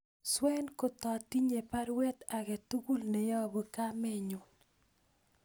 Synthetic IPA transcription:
swɛ˦nko˨t̪ɔ˨ti˦ɲe˨pa˦ɾwɛ˦t̪a˨ɡɛ˨t̪u˦ɡu˦lne˨ja˦˨bu˨ka˦mɪ˦˨ɲʊ˨

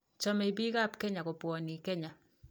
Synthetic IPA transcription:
t͡ʃɔ˦me˨i˨bi˦ka˦˨pkɛ˦ɲa˨ko˨pwɔ˨ni˨kɛ˦ɲa˨

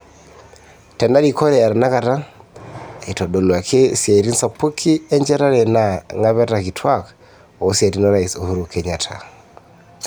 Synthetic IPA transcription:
tɛ˨nda˦ɾi˨kɔ˦ɾɛ˨a˨ɾa˨na˦ka˨ta˦˨ | i˨tɔ˨ɗo˨lwa˨kʰe˦sja˨i˨ɾi˦nsa˨pu˦kʰi˦ɛ˦ɲd͡ʒɛ˦ɾa˦ɾɛ˨na˨ŋa˦βɛ˦taki˨tʰwa˦k | ɔː˨˦sja˨ɾi˦nɔ˦ɾa˨i˨so˨hu˦ɾo˨kʰɛɲa˨tʰa̰˨

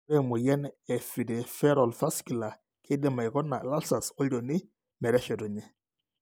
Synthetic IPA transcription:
ɛ˦mu˨jɛ˦nɛ˨fi˨de˨fɛ˦ɾɔ˨lfa˦ski˨la˨ | kʰɪ˦dɪ˨ma˨i˨kɔ˦nːa˨la˦lsa˨sɔ˦ɾo˨nɪ˦ | mɛ˨ɾɛ˦ʃɛ˨tɔ˨ɲɛ˦

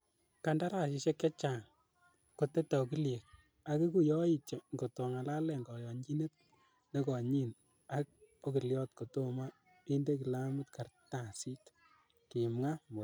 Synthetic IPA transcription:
ka˨nda˦ɾa˨ʃɪ˧ʃe˦kja˦t͡ʃa˨ŋ | ko˨te˦tɔ˨k̬i˦lje˨k̚ | a˦ki˦ku˦jɔ˦i˦t͡ʃe˨ŋɡo˨to˨ŋa˨la˦lɛ˨ŋɡɔ˨jɔ˨ɲd͡ʒi˦ne˦t̚ | ne˦kɔ˨ɲi˦n | a˦k̚o˦ki˨ljɔ˦tko˨to˦ma˦ | i˦nde˦ki˨la˦mɨ˦tka˨rta˨si˦t | ki˨mŋa˦mo˨

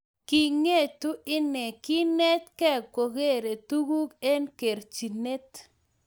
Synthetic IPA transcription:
ki˨ŋe˦˨tu˦ɪ˦nɛ˨ki˦nɛ˦t̪kɛ˦ko˨ɡe˦˨ɾe˨t̪u˦ɡu˦ke˦nke˨ɾt͡ʃi˨ne˦t̪

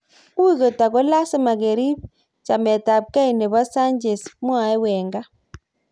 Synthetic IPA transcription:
u˦zɔ˨ta˨ɡɔ˦la˦sɛ˦ma˨ɡe˨ɾi˦b̚ | t͡ʃa˨mɛ˨ta˨b̚ka˦i˨nɛ˨βa˦sa˦nd͡ʒɛ˨smwa˨ɛ˦wɛ˨ŋɡa˦

